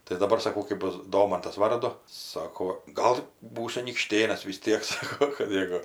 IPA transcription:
tɐɪ dɐˈbɐr sɐˈkɐʊ kɜp ˈbʊs ˈdoːmɐntɐs ˈʋɐrdʊ ˈsɑːkoː ˈɡɐlˠ ˈbuːsʲʊ ɐnʲiːkˈʃʲtʲeːnɐs ʋʲɪs ˈtʲiɛk ˈsɑːkoː kɐp mʲiɛˈɡʊ

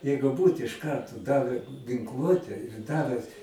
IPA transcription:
ˈjɛɪɡʊ ˈbuːt ɪʃ ˈkɐrtoː ˈdɑːʋʲæː ɡʲɪŋˈklˠuɔtʲɛ ˈdɑːʋʲɛ

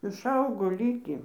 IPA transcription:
ɪʃˈɐʊɡoː ˈlʲiːkʲiː

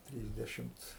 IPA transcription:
ˈtʲrʲiːzʲdʲɛʃʲɪmt͡s

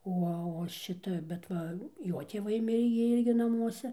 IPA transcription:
ˈoː oː ˈʃʲɪtɐ bʲɛt ˈʋɐ ˈjoː tʲeːˈʋɐɪˈmʲɪrʲeː ɡʲɪ ˈɪrʲɡʲɪ nɐˈmuɔsʲɛ

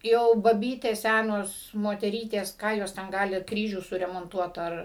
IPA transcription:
ˈjɛʊ bɐˈbʲiːtʲeːs ˈsʲænoːs moːtʲɛˈrʲiːtʲeːs ˈkɑː joːs tʲɛn ˈɡɑːlʲɪ ˈkrʲiːʒʲuː sʊrʲɛmoːnˈtuɔt ˈɐr

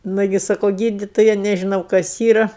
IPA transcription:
ˈnʊɡʲɪ ˈsɑːkoː ˈɡʲiːdʲɪtoːjɛ nʲɛʒʲɪˈnɐʊ kɐs ˈiːrɐ

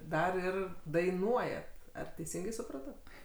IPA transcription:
ˈdɐr ˈɪr dɐɪˈnuɔjɛt ˈɐr tʲɛɪˈsʲɪŋɡɐɪ sʊˈprɑːtoː

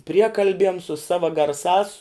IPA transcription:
ˈpʲrʲiɛkɐlʲbʲiɛm sʊ ˈsɑːʋɐ ɡɐrˈsɑːs

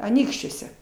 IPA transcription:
ɐˈnʲiːkʃʲt͡ʃʲuɔsʲɛ

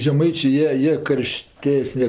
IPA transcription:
ʒʲɛˈmɐɪt͡ʃʲeː ˈjiɛ ˈjiɛ ˈkɐrʲˈʃʲtʲæːsʲnʲɛ

